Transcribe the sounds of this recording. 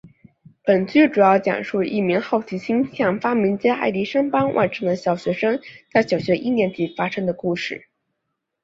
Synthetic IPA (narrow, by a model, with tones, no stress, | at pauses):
pə˨˩nt͡ɕy˥˩ʈ͡ʂu˨˩jɑ˥˩ʊt͡ɕjɑ̰˨˩ŋʂu˥˧i˥˩mi˧˥ŋxɑ˥˩ʊt͡ɕʰi˧˥ɕi˥ŋɕjɑ˥˩ŋfa˥mi˧˥nt͡ɕjɛ˥ʔa̰˥˩ɪli˧˥ʂɤ˥ŋpɑ˥ŋwʔa̰˥˩nʈ͡ʂʰɤ˥˩ŋd̪ə˨ɕjɑ˨˩ʊɕɥɛ˧˥ʂɤ˥ŋt͡sa˥˩ɪɕjɑ˨˩ʊɕɥɛ˧˥ʔi˥˩njɛ˧˥nt̪i˨˩fa˥ʂɤ˥ŋd̪ə˨ku˥˧ʂɻ̩˥˩